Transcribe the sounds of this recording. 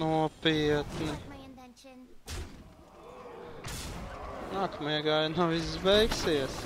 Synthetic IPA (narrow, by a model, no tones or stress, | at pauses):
nuɔpiɛt̪nɨ | naːkmiɛɡaːjnawizbɛjksiɛs